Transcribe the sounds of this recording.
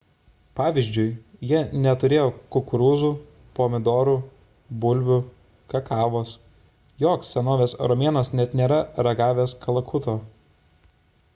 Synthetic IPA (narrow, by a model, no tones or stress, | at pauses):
pɑːʋʲiːzʲd͡ʒʲʊɪjiɛnʲɛt̪ʊɾʲeːjoːkʊkʊɾuːzuː | poːmʲɪd̪oːɾuː | bʊlʲʋʲʊ | kɐkɑːʋoːs | joːksʲsʲɛnoːʋʲeːsɾɔmʲeːnɐsnʲɛt̪nʲeːɾɐɾɐɡɑːʋʲeːskʰɐlˠɐkʰʊt̪oː